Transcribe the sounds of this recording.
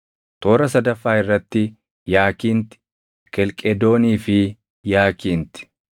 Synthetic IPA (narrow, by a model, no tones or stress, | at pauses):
t̪o̞ːɾɐsɐd̪ɐfːaːɪrːɐt̪ːɪ | jaːkiːnt̪ɪ̥ | kɛlkʼɛd̪o̞ːniːfɪ | jaːkiːnt̪ɪ̥